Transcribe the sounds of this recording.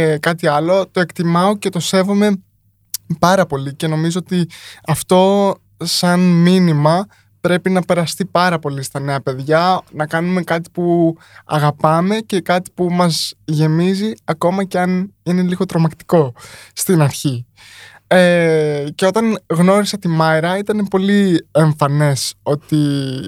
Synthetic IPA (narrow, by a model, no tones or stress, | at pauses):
kɐt̪iɐlo̞t̪o̞e̞kt̪imɐo̞ce̞t̪o̞se̞vome̞ | pɐɾɐpo̞lice̞no̞mizoot̪iɐft̪o̞ | sɐnminimɐ | pɾe̞pinɐpe̞ɾɐst̪ipɐɾɐpo̞list̪ɐne̞ɐpe̞ðʝɐnɐkɐnume̞kɐt̪̬i̥pu | ɐ̰ɣɐpɐme̞ce̞kɐt̪i̥pumɐzʝe̞miziɐko̞mɐceɐnine̞liɣo̞t̪ɾo̞mɐkt̪i̥ko̞st̪inɐɾçi | ece̞o̞t̪ɐnɣno̞ɾisɐt̪imɐjɾɐit̪ɐne̞po̞lie̞ɱfɐne̞so̞t̪i